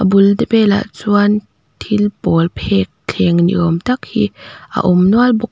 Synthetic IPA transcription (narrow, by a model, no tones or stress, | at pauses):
ʔəbuldepɛla̰ʔt͡suan | tʰilpɔlpʰɛk̚t͡ɬʰɛːŋnḭʔɔmt̪ak̚hiʔə̰ʔumnualbʊk̚